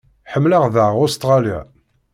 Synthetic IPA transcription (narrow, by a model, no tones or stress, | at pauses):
ħəmːləʁðaʁʊst̪ʁɑlja̰